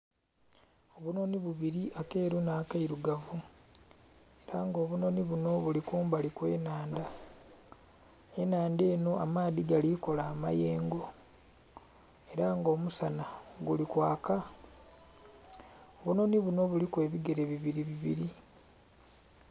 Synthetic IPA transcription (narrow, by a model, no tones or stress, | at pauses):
o̞βuno̞niβuβiɾiʔake̞ːɾunaːkaiɾuɡavu | e̞ɾaŋɡo̞ːβuno̞niβuno̞βulikuːmbalikwe̞ːnaːnda | e̞naːnde̞ːno̞amaːðiɡaliko̞laːma̰je̞ːŋɡo̞ | e̞ɾaŋɡo̞ːmusanaɡulikwaːka | oβuno̞niβuno̞βulikwe̞ːβiɡe̞ɾe̞βiβiɾiβiβḭɾi